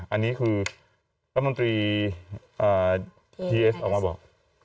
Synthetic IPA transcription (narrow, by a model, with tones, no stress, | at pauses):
ʔa˧nːiː˦˥kʰɯː˧ | ɾa˦t̪̚mo˧nt̪ɾiː˧ | ʔaː˧˩ | tʰiː˧ʔe˦˥sʔɔː˨˩kmaː˧˥bɔː˨˩